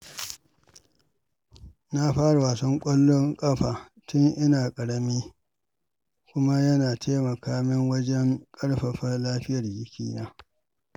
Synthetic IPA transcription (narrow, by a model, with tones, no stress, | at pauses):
na˦ɸaː˦ɽa˨waː˨sɔ˦ŋkʷʼɐ˦lːɔ˦ŋkʼɐ˦ɸaː˨ | tʊ˦ŋʔɪ˦naː˨kʼɐ˨ɽɐ˦miː˦ | kʷʊ˦ma˦jɐ˦naː˨tʰeː˦mɐ˨kaː˦mɪ˦ŋwɐ˦d͡ʒɛ˦ŋkʼɐ˦ɽɸɐ˨ɸɐ˦rlaː˦ɸɪ˦jɐ˨rjɪ˦kʲḭː˨naː˦